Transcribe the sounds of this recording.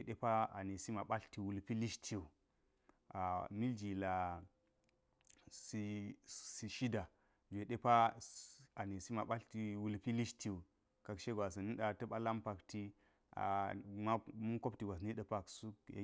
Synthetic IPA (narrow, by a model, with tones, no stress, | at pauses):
e˨ɗe˦pa˦a̰˨ne˨si˦ma˨ɓa˦ɬti˨wu˨lpi˦li˦ʃtʰi˨u˨ | a˨mi˦ld͡ʒi˨la˨ | si˦si˨ʃi˦da˨ | d͡ʒʷe˨ɗe˦pa˦ | a˨ne˨si˦ma˨ɓa˦ɬti˨wu˨lpi˦li˦ʃti˦˨u˨ | ka˨kʃe˦ɡʷa˨s̬a˨ni˦ɗa˨tɐ˦ɓa˦la˦mpa˨kti˦ | a̰˨ma˦mu˦ko˦p̚ti˨ɡʷa˨sni˦ɗə˦pa˦ksu˦j̰